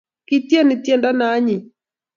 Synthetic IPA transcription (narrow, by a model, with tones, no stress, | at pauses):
kɪ˦tje˦nɪ˨tje˦˨nda˦na˨˦ɲɪ˨